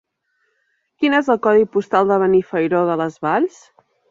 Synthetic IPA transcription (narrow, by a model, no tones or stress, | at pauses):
kinezəlˠkɔðipust̪alˠd̪əβ̞ənifəjɾoðələzβaʎs